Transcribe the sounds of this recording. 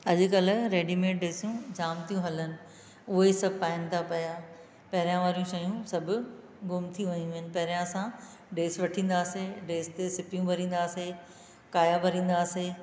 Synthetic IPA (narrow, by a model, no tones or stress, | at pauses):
ɐʄʊ̆kɐl̆ɾeːɖimẽːɖeːsjũd͡ʑaːmt̪ʰijũɦɐlənɪ̆ | ʊɦesɐbʱpãːɪnɪt̪ʰapɐjaː | pɐɦɪɾijãʋaːɾijũʃɐːjũsɐbʱʊ̆ | ɡʊmt̪ʰiʋɐɲũɪnɪ̆pɐɦɪɾijãsã | ɖeːsʋɐʈʰĩːn̆d̪aːseɖeːst̪esɪpjũbʱɐɾĩːn̆d̪aːse | kaːjabʱɐɾĩːn̆d̪aːseː